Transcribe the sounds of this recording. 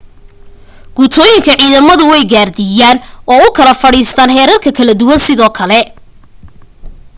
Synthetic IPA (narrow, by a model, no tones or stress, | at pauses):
ɡ̥ut̪ʰɔːjɪŋkʰɐʕiːðɐmɐðʊwɛjɡaːrd̪ɪjaːnɔːʊkʰɐlɐfɐɽiːst̪ʰaːnhɛːɾɐrkʰɐkʰɐlɐd̪ʊwɐnsɪðɔːkʰɐlɛ